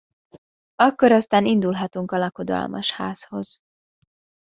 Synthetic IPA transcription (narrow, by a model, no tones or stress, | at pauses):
ɒkːo̞ɾɒst̪aːnind̪ulɦɒt̪uŋkɒlɒko̞d̪ɒ̰lmʔɒ̰ʃha̰ːzho̞z̥